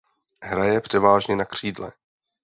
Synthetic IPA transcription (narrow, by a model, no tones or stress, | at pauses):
ɦɾajɛpr̝̥ɛvaːʒɲɛnakr̝̥iːdlɛ̰